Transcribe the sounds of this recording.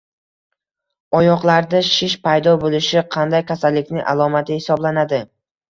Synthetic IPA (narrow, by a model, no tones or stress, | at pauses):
ɒjɒqlˠaɾd̪aʃɪʃpʰajd̪ɒbolɪʃɪqʰɑnd̪ajkʲʰasalːɪkʲnɪŋʔa̰lˠɒmat̪ʰɪhɪsɒblanad̪ɪ